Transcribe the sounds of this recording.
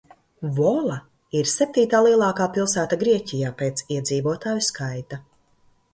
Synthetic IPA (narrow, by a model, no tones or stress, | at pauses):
vɔlˠa | iɾsɛp̚t̪iːt̪aːlˠiɛlˠɑːkaːpilˠsæːt̪aɡɾiɛcʲijaːpeːt̪siɛd̪ziːvuɔt̪aːjuskʰajt̪a